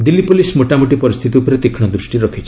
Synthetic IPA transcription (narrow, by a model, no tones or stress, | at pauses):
d̪ilːipolismoʈamuʈipɔɾist̪ʰit̪iupɔɾet̪ekʰɽ̃ɔd̪ɾusʈiɾɔkʰit͡ʃʰi̥